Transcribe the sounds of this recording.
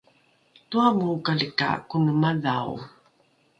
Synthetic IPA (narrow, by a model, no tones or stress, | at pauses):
tuamukaləka̰kunəmaðaw̰